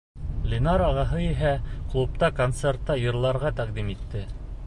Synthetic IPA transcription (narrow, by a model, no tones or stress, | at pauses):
lʲɪnɑɾɑʁɑɦɤiɦæklˠup̚t̪ɑkont̪sert̪ːɑjɤ̆ɾlˠɑɾʁɑt̪æqd̪imit̪ːɘ